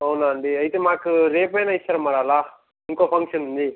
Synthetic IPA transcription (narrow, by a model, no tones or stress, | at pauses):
ɐwnaːɳɖiɐjt̪emaːkuɾeːpɐjnɐist͡ʃːɐɾɐmːaːɽaːlaː | iŋkoːpʰɐŋkʂɐnund̪i